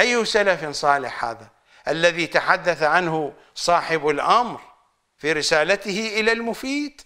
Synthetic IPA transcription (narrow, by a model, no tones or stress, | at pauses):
ʔajːʊsalafnsˤɑːlɪħha̰ːða | ʔalːaðit̪aħad̪ːaθaʕanɦʊ | sˤɑːħɪbalʔamɾ | fiːɾɪsaːlat̪ɪhɪʔɪlalmʊfiːd̪̥